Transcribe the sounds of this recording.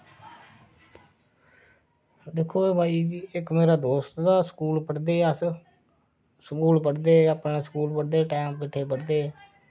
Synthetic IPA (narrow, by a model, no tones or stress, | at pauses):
d̪ɪkʰːoːeːbʱaːiːʋiːɪkmeːɾaːd̪oːst̪d̪aːsə̥kuːlpəɽd̪eːəs | səkuːlpəɽd̪eːaːpnẽːskuːlpəɽd̪eːʈɛːmkɪʈʰːeːpəɽd̪eː